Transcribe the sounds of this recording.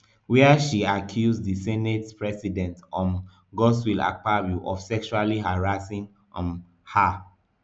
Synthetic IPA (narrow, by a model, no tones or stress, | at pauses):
wɛɛʃiakʰjuzðisɛnetpɹɛsidɛ̃ntɔ̃n | ɡɔswila̰paɹjuʔɔfsɛkʃualiɦaɹasĩŋ | ɔ̃n | ha